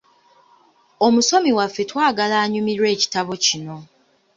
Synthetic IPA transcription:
o̞muso̞miwafːe̞twaːɡalaːɲumiɾwe̞ːci̥taβo̞cino̞

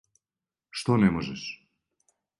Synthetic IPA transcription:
ʃt̪onɛmoʒɛʃ

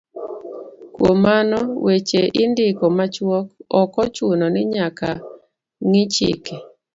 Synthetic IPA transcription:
kwomanɔwet͡ʃeʔɪndɪkɔmat͡ʃwɔk̚ɔkɔt͡ʃwonɔnɪɲaka | ŋɪt͡ʃɪ̰ke

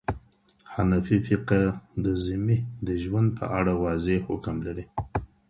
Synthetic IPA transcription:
hanafifiqad̪əzimid̪əʒwand̪̚pʰə̰ʔaɽawɑzehʊkmlaɾi

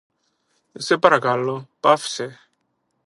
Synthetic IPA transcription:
sepaɾakalːopafse

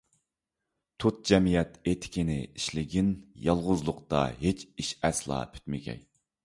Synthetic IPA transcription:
t̪ʰut̪̚d͡ʒɛmijɛt̪et̪ʰɪ̥kʲinɪiʃlɪɡʲinjɑlˠʁʊzlˠʊqt̪ɑ̰ɦet͡ʃiʃɛslˠɑ̰ːpʰy̥t̪mɪkʲʰɛ̰j

